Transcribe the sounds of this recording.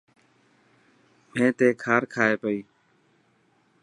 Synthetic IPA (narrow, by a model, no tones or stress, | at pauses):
mẽːt̪eːkʰaːɾkʰaːeːpəiː